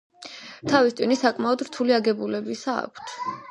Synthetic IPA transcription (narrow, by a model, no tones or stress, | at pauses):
t̪ʰavist̪sʼinisakʼmaɔd̪ɾt̪ʰuliaɡɛbulɛbisa̰ːkʷʰt̪ʰ